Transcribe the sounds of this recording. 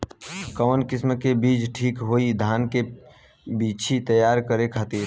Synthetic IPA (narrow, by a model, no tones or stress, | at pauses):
kəʋənkɪsmkebiːt͡ʃʈʰiːkɦoid̪ʱaːnke | bit͡ʃʰit̪əjaːɾkəɾekʰat̪iɾ